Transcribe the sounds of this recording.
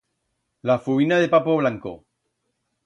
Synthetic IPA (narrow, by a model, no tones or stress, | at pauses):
lafuinaðepapoβ̞laŋko̰